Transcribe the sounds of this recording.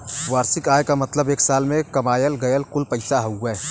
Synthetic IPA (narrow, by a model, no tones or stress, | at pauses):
ʋaːɾsɪkaːjkamɐt̪ləbeːksaːlmẽkɐmaːjəlɡɐjəlkʊlpəɪsaɦouɡɛː